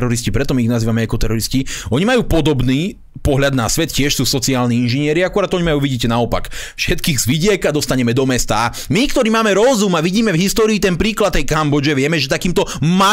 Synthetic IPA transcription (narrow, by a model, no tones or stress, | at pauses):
ɾɔɾiscipɾɛt̪ɔmiːɣnaziːʋamɛakɔt̪ɛɾɔɾisciɔɲimajuːpɔd̪ɔbniː | pɔɦʎad̪nasʋɛt̪cɪɛʃsuːsɔt͡siaːlniːinʒiɲɪɛɾiakuɾaːd̪ɔɲimajuːʋiɟiːcɛnaɔpa̰kfʃɛt̪kiːɣzʋiɟɪɛkad̪ɔst̪aɲɛmɛd̪ɔmɛst̪aa | mikt̪ɔɾiːmaːmɛɾɔzumaʋiɟiːmɛvɦist̪ɔːɾiːt̪ɛnpɾiːklat̪t̪ːɛjkambɔd͡ʒɛʋɪɛmɛʒɛt̪akiːmt̪ɔma